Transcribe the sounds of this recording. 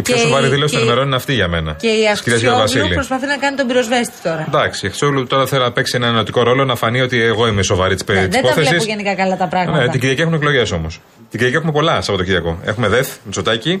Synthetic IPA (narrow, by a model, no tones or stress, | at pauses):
ipçosovɐɾiðilost̪onimeɾo̞nineɐft̪iʝɐme̞nɐceiɐskiɾiɐziɐt̪ovɐsilipɾospɐθinɐkɐnit̪obiɾo̞zve̞st̪i̥t̪o̞ɾɐnd̪ɐksiexɾisoluut̪o̞ɾɐθelonɐpeksienɐnenot̪iko̞ɾo̞lo̞nɐfɐnio̞t̪ieɣo̞imeso̞vɐɾit̪i̥sp̪ːiepoθesisʝenikɐkɐlɐt̪ɐpɾɐɣneɐiɟiɾʝɐciexumeklo̞ʝe̞so̞mos | t̪iɟiɾiɐcie̞xumepo̞lɐsɐpo̞t̪ociɾʝɐko̞e̞xume̞ðeθmit͡so̞t̪ɐci